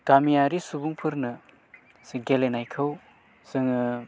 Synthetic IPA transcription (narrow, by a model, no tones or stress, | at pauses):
ɡamijaɾisubuŋpʰɯɾnɯ | sɯŋɡelenajkʰɯw | sɯŋ